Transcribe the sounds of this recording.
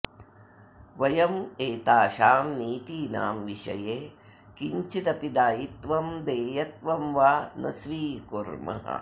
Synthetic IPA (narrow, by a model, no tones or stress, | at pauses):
ʋɐjɐmeːt̪aːʃaːmniːt̪iːna̰ːmʋiʂɐ̰jeː | kiɲt͡ʃit̪ɐpid̪aːjit̪ʋɐmd̪eːjɐt̪̚ʋɐmʋaːnɐ̰sʋiːkuɾmɐ̰ɦɐ̰